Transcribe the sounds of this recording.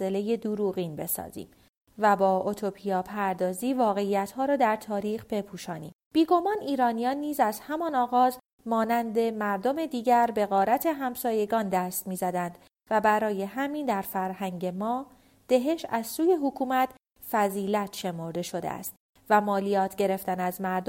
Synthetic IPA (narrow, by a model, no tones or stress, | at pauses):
e̞le̞je̞d̪uɾuːɣiːnbe̞sɒ̰ːzḭːm | væbɒːʔot̪ʰo̞pʰijɒːpʰæɾd̪ɒːziːvɒːɣe̞ijæt̪hɒːɾɒːd̪æɾt̪ʰɒːɾiːχb̥e̞pʰuːʃɒːnḭːmb̥iːɡo̞mɒːniːɾɒːnijɒːnːiːzæzhæmɒnɒːɣɒːz | mɒːnænd̪e̞mæɾd̪o̞me̞d̪iːɟæɾbe̞ɣɒːɾæt̪ʰe̞ɦæmsɒːje̞ɡɒːnd̪æst̪miːzæd̪ænd̪̥ | væbæɾɒːje̞ɦæmiːnd̪æɾfæɾhæŋɟe̞mɒː | d̪̥e̞ɦe̞ʃæz̥suːje̞ɦokʰuːmæt̪ʰ | fæziːlæt̪ʃe̞mo̞ɾd̪e̞ʃo̞d̪ḛæ̰st̪ | væmɒːlijɒːt̪ʰɟe̞ɾe̞ft̪ænæzmæɾd̪